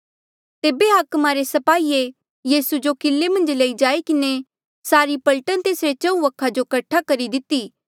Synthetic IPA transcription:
t̪eːbeɦaːkmaɾesɐpaːie | jiːsud͡ʒokɪlːemɐ̃nd͡ʒleid͡ʒaːikɪne | saːɾipʈɐlʈənt̪eːsɾet͡ʃɐ̃ũɐkʰːad͡ʒokɐʈʰːakɐɾid̪ɪt̪iː

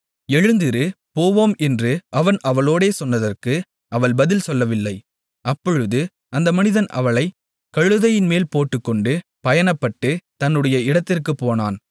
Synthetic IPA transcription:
ɛɻɯnd̪ɪɾɯ | poːʋoːmɛndrɯʔɐʋɐnɐʋɐɭoːɽeːsɔnːɐðɐrkɯ | ʔɐʋɐɭbɐðɪlsɔlːɐʋɪlːɐɪ | ʔɐpːɔɻɯðɯ | ɐnd̪ɐmɐnɪðɐnʔɐ̰ʋɐɭɐɪ | kɐɻɯðɐjɪnmeːlpoːʈːɯkːɔɳɖɯpɐjɐnɐpːɐʈːɯt̪ɐnːɯɽɐjɐɪɽɐt̪ːɪrkɯpːoːnaːn

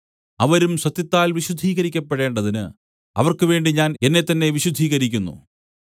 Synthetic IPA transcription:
ɐʋɐɾumɕɐt̪ːjɐt̪ːaːlʋiɕud̪ʱːiːɣɐɾikʲːɐpːeɽe̞ːɳɖɐðinɨ | ɐ̰ʋɐrkɨʋe̞ːɳɖiɲaːne̞nːe̞t̪ːɐnːe̞ʋiɕud̪ʱːiːɣɐɾikʲːunːṵ

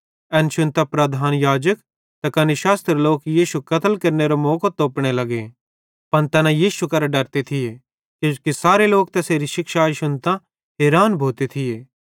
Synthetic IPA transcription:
ɛnʃʊnt̪apɾɐd̪ʱaːnjaːd͡ʒək | t̪ɐkɐnɪʃaːst̪ɾeloːkjiːʃukɐt̪əlkɐɾneɾomoːkot̪oːpɽ̃elɐɡe | pɐnt̪ɛːnãjiːʃukɐɾaɖɐɾt̪et̪ʰɪje | kokisaːɾeloːk̚t̪ɛseːɾiʃɪkʃaːʃʊnt̪ã | ɦeːɾaːnbʱoːt̪et̪ʰɪjeː

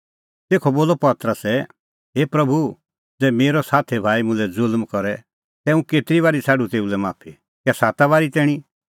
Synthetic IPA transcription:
t̪eːkʰoboːlɔpɐt̪ɾəsɛ | ɦeːpɾɐbʱu | d͡zɛːmeːɾɔsaːt̪ʰɛbʱaːimʊ̃lɛd͡zʊlmkɔɾɛ | t̪ɛũkeːt̪ɪɾiʋaːɾit͡sʰaːɖut̪eːulɛmaːpʰi | kɛsaːt̪aβaːɾit̪ɛːɽ̃i

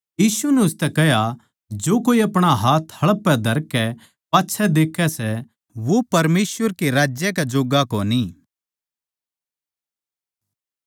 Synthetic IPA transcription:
jiːsunɛʊst̪ɛkɛɦja | d͡ʒoːkoːiɐpɽ̃aɦaːt̪ʰhɐɭəpːɛd̪ʱɐɾkːɛ | paːtːʃʰɛd̪eːkʰːɛsɛ | ʋopɐɾmeːsʋəɾkiɾaːd͡ʒjɛkɛd͡ʒoːɡakoːni

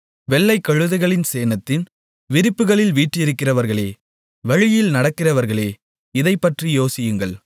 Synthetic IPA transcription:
ʋɛlːɐɪkːɐɻɯðɐɪɣɐɭɪnseːnɐt̪ːɪn | ʋɪɾɪpːɯɣɐɭɪlʋiːʈːɪjɪɾɯkːɪrɐʋɐɾɣɐɭeː | ʋɐɻɪjɪlnɐɽɐkːɪrɐʋɐɾɣɐɭeː | ɪðɐɪpːɐʈrijoːsɪjɯŋɡɐɭ

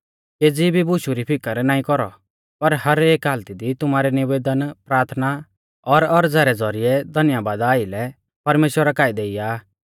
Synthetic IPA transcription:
ked͡zibibʊʃuɾipʰɪkəɾnaːĩkɔɾɔ̰ | pɐɾhɐɾeːkɦaːlt̪id̪it̪ʊmaːɾɛnɪʋeːd̪ənpɾaːɾt̪ʰna | ɔɾɔɾd͡zɛːɾɛd͡zɔɾɪɛd̪ʱɐnɪjabaːd̪aːɪlɛ | pɐɾmeːʃwəɾakaːid̪eːɪjaː

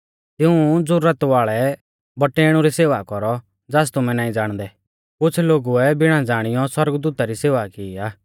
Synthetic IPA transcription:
t̪ɪũd͡zʊɾːət̪ʋaːɭɛ | bɐʈeːɽ̃uɾiseːʋakɔɾɔ | d͡zaːst̪ʊmɛ̃naːĩd͡zaːɽ̃d̪ɛ | kʊt͡sʰloːɡuɛbɪɽ̃ãd͡zaːɽ̃ɪjɔswɐɾɡd̪uːt̪aɾiseːʋakiiaː

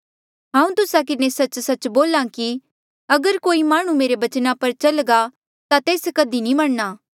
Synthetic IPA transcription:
ɦãːũt̪ʊsakɪnesɐt͡ʃsɐt͡ʃboːlãki | ɐɡəɾkoːimaːɽ̃ũmeːɾebɐt͡ʃnapɐɾt͡ʃɐlɡa | t̪at̪eːskɐd̪inĩmɐɽnaː

